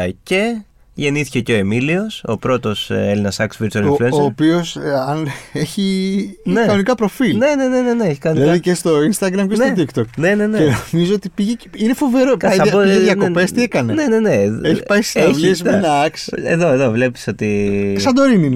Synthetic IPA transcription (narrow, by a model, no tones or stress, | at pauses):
ce̞ | ʝe̞niθi̥ce̞ceo̞emilio̞sopɾo̞t̪o̞selinɐsɐksviɾt̪uɐliflueoːpio̞sɐneçinekɐnonikɐpɾo̞filne̞nene̞ne̞neeçi̥kɐnnðilɐððicest̪o̞inst̪ɐɡɾɐmceseot̪ikt̪okne̞ne̞neenomizoot̪ipiʝeine̞fo̞ve̞ɾokɐɐpoðjɐo̞pest̪iekɐnene̞ne̞neeçipɐjsineisenɐɐksḛðo̞e̞ðo̞vle̞pi̥so̞t̪isɐd̪oɾinin